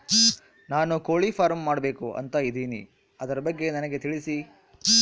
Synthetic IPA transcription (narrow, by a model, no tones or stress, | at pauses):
naːnukoːɭipʰaːɾmːaːɽɐbe̞ːkuʔɐ̰nt̪ɐid̪iːnḭ | ɐd̪ɐɾɐbɐɡːe̞nɐnɐɡe̞t̪iɭisi